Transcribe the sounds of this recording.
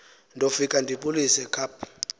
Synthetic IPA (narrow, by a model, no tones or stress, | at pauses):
ndʱofikʼandʱiɓulisɛkʰapʰ